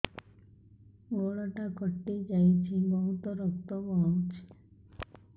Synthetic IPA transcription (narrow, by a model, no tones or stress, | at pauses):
ɡoɭɔʈakɔʈːid͡ʒajt͡ʃʰibɔɦut̪ɔɾɔk̚t̪ɔbɔawt͡ʃʰe̥